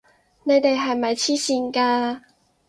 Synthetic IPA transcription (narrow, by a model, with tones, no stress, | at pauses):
ne˨˧jt̪e˨jɦɐ˨jmɐ˨˩jt͡sʰiː˥siː˧nkaː˧